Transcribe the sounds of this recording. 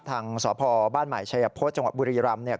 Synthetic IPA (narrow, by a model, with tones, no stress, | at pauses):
t̪ʰaː˧ŋsɔː˩˦pʰɔː˧baː˥˩nma̰˨˩˦jt͡ɕʰa˧ja˧pʰoː˦˥t̪̚t͡ɕa˧ŋwa˨˩t̪buː˧ɾiː˧ɾa˧mni˥˩ɐ